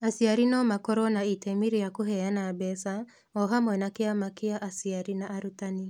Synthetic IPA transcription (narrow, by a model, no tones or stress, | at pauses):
asiaɾinɔmakɔɾɔnaitɛmiɾijakuɦɛjanabɛsa | ɔɦamwɛnakeamakeaʔasiaɾinaːɾutani